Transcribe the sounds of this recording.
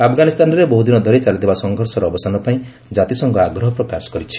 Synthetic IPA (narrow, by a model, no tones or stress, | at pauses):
apʰɡanist̪ʰanɔɾebɔɦud̪inɔd̪ʱɔɾet͡ʃalid̪ebasɔŋɡʱɔɾsɔɾɔɔbɔsanɔpaĩ | d͡ʒat̪isɔŋkɔaɡɾɔɦɔpɾɔkasɔ̥kɔɾit͡ʃʰi̥